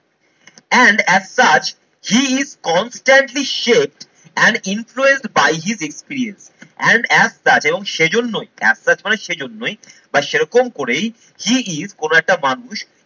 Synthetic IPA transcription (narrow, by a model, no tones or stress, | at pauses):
ɛɳɖɛzsat͡ɕ | hiizkɔnsʈaɳʈliʃep̚ʈ | ɛ̃ɳɖĩnfluẽnsʈbajɦizekspiɾiẽns | ɛ̃ɳɖɛzsat͡ɕeboŋʃed͡ʑonːojɛ̰z̥sat͡ɕmaneʃed͡ʑonːojbaʃeɾɔkomkoɾej | hiizkonoɛk̚ʈamanuʃ